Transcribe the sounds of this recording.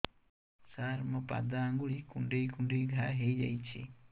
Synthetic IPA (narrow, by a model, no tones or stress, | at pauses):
saɾmɔpa̰d̪aːŋɡuɭikuɳɖejkuɳɖijɡʱaɦejd͡ʒa̰jt͡ʃʰḭ